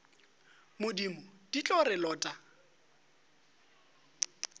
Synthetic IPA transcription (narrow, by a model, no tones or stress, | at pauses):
mʊdimʊd̥it͡ɬʼɔɾɪlɔːtʼa